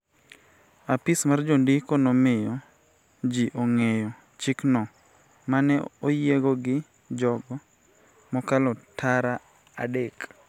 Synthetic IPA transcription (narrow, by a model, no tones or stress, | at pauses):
apɪsmard͡ʒondɪkonɔmɪjɔ | d͡ʒiʔoŋejɔ | t͡ʃɪknɔ | manɛojeɡɔɡɪ | d͡ʒɔɡɔ | mɔkalɔtʰaɾa | adek